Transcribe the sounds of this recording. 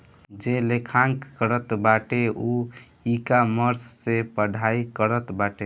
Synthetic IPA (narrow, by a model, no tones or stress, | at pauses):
d͡ʒelekʰaŋkːəɾət̪baʈeu | ikaməɾsːepəɖʱaikəɾət̪baʈe